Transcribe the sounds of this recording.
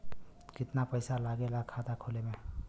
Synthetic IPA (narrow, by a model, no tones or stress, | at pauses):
kɪt̪napəɪsalaɡelakʰad̪akʰolemẽ